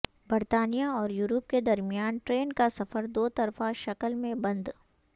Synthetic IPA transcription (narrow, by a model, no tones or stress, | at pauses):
bəɾt̪aːnijaɔːɾjuːɾop̚ked̪ɐɾmijaːnʈɾeːnkasɐfəɾd̪oːt̪ɐɾfaʃɐkəlmẽbɐ̃nd̪